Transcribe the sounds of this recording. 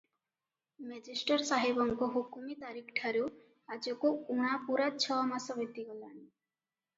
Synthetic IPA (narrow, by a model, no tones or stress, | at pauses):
mɛd͡ʒisʈɔɾsaɦebɔŋkɔɦukumit̪aɾikʰʈʰaɾu | ad͡ʒɔkouɽ̃apuɾat͡ʃʰɔmasɔbet̪iɡɔlani